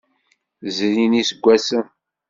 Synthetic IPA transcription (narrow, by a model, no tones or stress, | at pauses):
zɾinisəɡʷːæsən